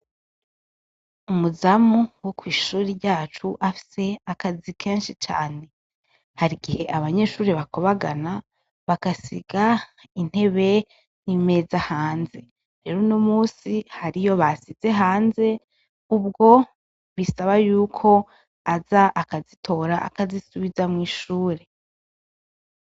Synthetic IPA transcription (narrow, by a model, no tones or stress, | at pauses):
umuzamuwokwiːʃuːɾiɟaːt͡ʃuʔafi̥se̞akazikʰe̞ːnʃit͡ʃa̰ːne̞ | haɾiɡihe̞ʔaβaɲe̞ʃuːɾiβako̞βaɡana | βakasiɡ̥a | in̥he̞βe̞ | nime̞zahaːnze̞ | ɾe̞ːɾonomuːsihaɾijo̞βasize̞ɦaːnze̞ | ub̚ɡo̞ | βisaβajuːkʰo̞ | azaʔakazitʰo̞ːɾaʔa̰kazisuβizamŋiːʃuːɾe̞